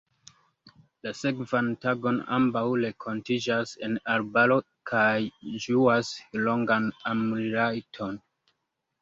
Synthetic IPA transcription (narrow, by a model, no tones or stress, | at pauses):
lase̞kvantaɡo̞na̰mbawle̞kʰo̞ntid͡ʒasenaɾbalo̞ | kʰajd͡ʒuaslo̞ŋɡanamuliɾajtʰo̞n